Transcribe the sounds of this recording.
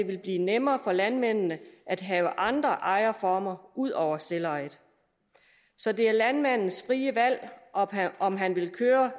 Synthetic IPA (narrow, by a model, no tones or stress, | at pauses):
e̝ʋe̝lb̥liːnemɐːfɒ̽lænmen̰nəʔæd̥ɦɛːʊəʔɑ̈nd̥ʁɐʔɑ̈ɪɐfɒːmɐʔuð̰ˠʔɒʊ̰ɐselɑɪðˠ | sɒ̽d̥e̝æɐlænmæn̰n̩sfʁiːəʋæl̰ | ɒ̽mɦænʋe̝lkʰøːɐ